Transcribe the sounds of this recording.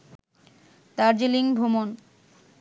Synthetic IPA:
t̪aɾd͡ʑeliŋbʱomon

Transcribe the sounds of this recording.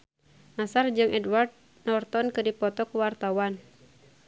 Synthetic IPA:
nasard͡ʒɨŋʔɛdward̪̚ | nɔrt̪ɔnkɨdipɔt̪ɔkuwart̪awan

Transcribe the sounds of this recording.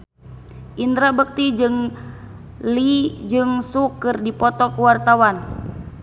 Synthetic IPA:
ʔind̪ɾabək̚t̪id͡ʒɨŋ | lid͡ʒɨŋsukːɨrdipɔt̪ɔkəwart̪awan

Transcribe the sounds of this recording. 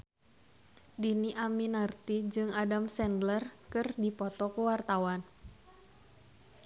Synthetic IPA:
diniʔaminart̪id͡ʒɨŋadamsɛndlərkɨrdipɔt̪ɔkuwart̪awan

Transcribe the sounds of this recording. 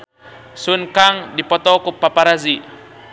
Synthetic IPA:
sunkaŋdipɔt̪ɔkupapaɾazi

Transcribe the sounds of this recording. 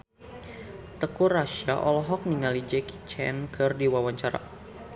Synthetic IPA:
t̪əkuraʃaʔɔlɔɦɔk̚niŋalid͡ʒɛki̥t͡ʃɛ̰nkʰɨrdiwawaɲt͡ʃaɾa̰

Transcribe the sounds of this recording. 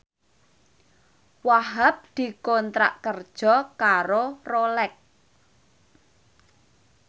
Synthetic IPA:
waɦap̚d̪̥i̤kɔnt̪ɾa̰ʔkərd̥ʒ̥ɔ̤kaɾorolɛk̚

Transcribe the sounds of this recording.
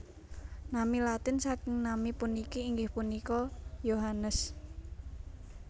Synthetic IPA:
namilat̪ɪnsakɪŋnamipunikiːŋɡɪhpunikɔjoɦanəs

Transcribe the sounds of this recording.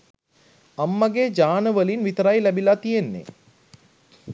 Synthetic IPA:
amːaɡed͡ʒaːnəʋəlinʋit̪əɾajlæbilat̪ijenːḛ

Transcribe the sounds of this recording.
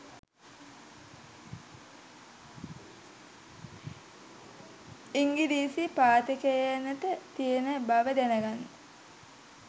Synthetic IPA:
iŋɡidiːsipaːt̪əkejenətət̪ijenəbaʋəd̪enəɡanːə

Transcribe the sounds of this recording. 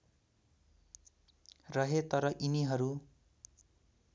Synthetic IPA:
rʌɦet̪ʌɾʌʔiniɦʌɾu

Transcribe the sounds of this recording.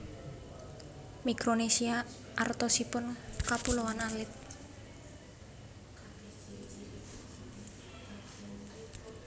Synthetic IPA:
mikɾonesia | ʔart̪ɔsipʊnkapulowanalɪt̪̚

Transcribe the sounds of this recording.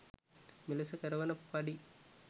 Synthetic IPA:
mɪlɐsɐkɐɾɐʋɐnɐpːɐɽi

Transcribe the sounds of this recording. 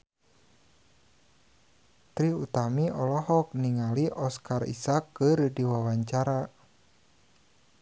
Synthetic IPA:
t̪ɾiut̪amiʔɔlɔɦɔk̚niŋaliʔɔskarḭsakːərdiwawaɲt͡ʃaɾa

